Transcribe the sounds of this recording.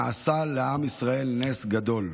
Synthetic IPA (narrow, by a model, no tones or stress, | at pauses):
asaleamisʁae̞lne̞sɡad̪o̞l